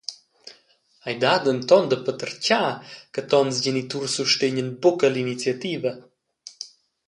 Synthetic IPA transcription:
ajd̪ad̪əmt̪ɔnd̪əpət̪əɾcakət̪ɔnzɟɛnit̪uɾsuʃt̪eɲənpɔkəlinit͡siat̪ivə

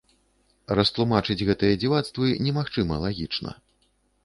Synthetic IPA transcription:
rɐst̪lˠumat͡ʂɨd͡zʲɣɛt̪ɨjɐd͡zʲivat̪st̪vɨnʲɛmaxt͡ʂɨmɐlˠaɣʲit͡ʂnɐ̰

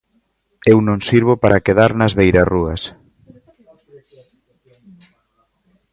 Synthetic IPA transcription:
ewnõŋsiɾβopaɾakeðaɾnɐzβejɾaruɐs

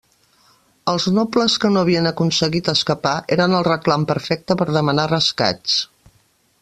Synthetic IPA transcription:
əlˠznopləskənoəβiənəkunsəɣit̪əskəpaʔeɾənəlˠrəklampəɾfɛk̚t̪əpəɾðəmənarəska̰t͡ʃt͡s

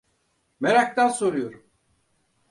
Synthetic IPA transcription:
meɾak̚t̪aso̞ɾujoɾum

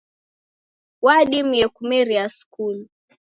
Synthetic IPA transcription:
waɗimjɛkumɛɾiaskul

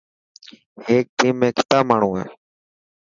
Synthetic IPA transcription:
heːk̚d̪iːmːẽːkʰɪ̥t̪aːmaːɳ̤ũːɦɛ̰ː

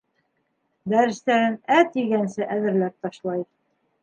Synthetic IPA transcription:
d̪æɾɘ̆st̪æɾɘnæt̪iɡænsɘʔæðɘ̆ɾlæp̚t̪ɑʃlˠɑj

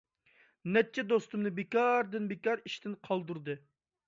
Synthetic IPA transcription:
nɛt̪̚t͡ʃʰːɛd̪ost̪umnɨbekʲɑɾd̪ɨnbekʲɑɾiʃt̪ʰɪnqʰɑlˠd̪uɾd̪ɨ

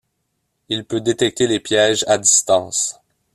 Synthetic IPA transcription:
ilpød̪et̪ɛk̚t̪elepjɛʒad̪ist̪ɑ̃ːs

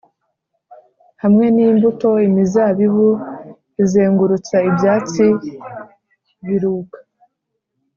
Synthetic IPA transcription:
hamŋe̞nimbuto̞imizaβiβu | izeːŋɡuɾut͡saibjaːt͡si | βiɾuːkḁ

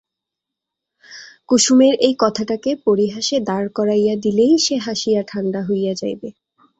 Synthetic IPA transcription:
kuʃumeɾejkɔt̪ʰaʈakepoɾiɦaʃed̪aɾkɔɾajad̪ilejʃeɦaʃijaʈʰanɖaɦojjad͡ʑajbe

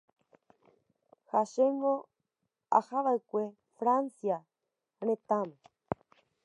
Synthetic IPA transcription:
haʃeŋɡõ | a̰haʋaekʷe̞ | fɾansia | ɾ̃ẽt̪ãmo

